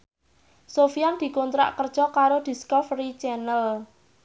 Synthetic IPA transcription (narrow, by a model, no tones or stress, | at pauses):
sofijand̪̥i̤kont̪ɾa̰ʔkərd̥ʒ̥ɔ̤kaɾod̪̥i̤skɔfrit͡ʃɛnəl